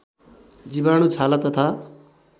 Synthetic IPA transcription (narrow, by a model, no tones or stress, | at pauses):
d͡zibañut͡sʰalat̪ʌt̪ʰa